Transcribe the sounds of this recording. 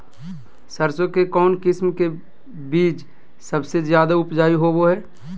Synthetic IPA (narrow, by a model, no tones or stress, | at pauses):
sɐɾsokekɔːnkɪsmke | biːt͡ʃ | sɐbsezjaːd̪aʊpd͡ʒaːiɦoboɦɛː